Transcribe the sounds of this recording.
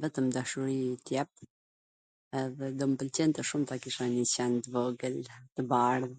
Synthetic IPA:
vɛt̪əmd̪aʃuɾit̪jɛp̚ | ɛðɛd̪ɔmpəlt͡ɕɛnt̪ɛʃumt̪akiʃanət͡ɕɛnt̪vɔɡəlt̪əbaɾ

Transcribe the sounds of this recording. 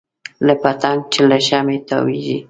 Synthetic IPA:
lapat̪aŋ̚t͡ʃɪlaʃamet̪a̰wiʒi

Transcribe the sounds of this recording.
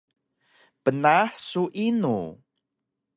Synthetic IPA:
pənaħsuʔinṵ

